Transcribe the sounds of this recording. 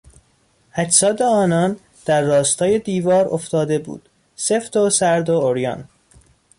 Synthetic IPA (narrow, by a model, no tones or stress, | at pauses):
hæt͡ʃsɒːd̪eɒːnɒn | d̪̥æɾːɒːst̪ʰɒːje̞d̪iːvɒːɾoft̪ɒːd̪e̞bṵːd̪̥ | seft̪osæɾd̪ooɾjɒ̰n